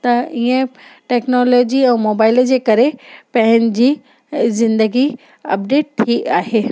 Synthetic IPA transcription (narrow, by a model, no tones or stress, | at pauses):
t̪ɐiə̃ʈɛːknɔːloːd͡ʑiɛ̃ːmoːbaːɪld͡ʑeːkɐɾepɐ̃ɦɪnɪ̆d͡ʑiː | zɪ̃nd̪əɡi | ɐ̰p̚ɖeːʈ̚t̪ʰːiaːɦeː